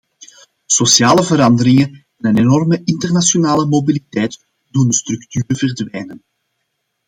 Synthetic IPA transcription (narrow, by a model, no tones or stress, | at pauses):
sosjaːləvəɾɑndəɾɪŋən | ɛnənenɔrməʔɪntərnasjonaːləmobilitɛjt | dundəst̪rɵktyːɾəvərdʋɛjnən